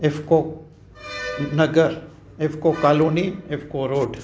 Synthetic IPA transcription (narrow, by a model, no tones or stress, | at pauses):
ɪfko | nɐɡəɾ | ɪfkokaːluːniɪfʰkoɾoːɖ